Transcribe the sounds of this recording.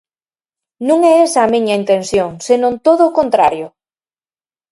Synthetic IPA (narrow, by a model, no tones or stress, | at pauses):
nũŋɛesɐːmĩɲaint̪ẽnsjoŋsenõnt̪oðokont̪ɾaɾjo